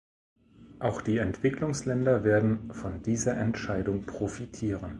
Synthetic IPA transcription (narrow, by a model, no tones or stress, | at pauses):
ʔaʊxd̥iːɛntv̥ɪklʊŋslɛndɐveːɐdn̩fɔndiːzɐʔɛntʃaɪdʊŋpʁ̥ofitʰiːʁən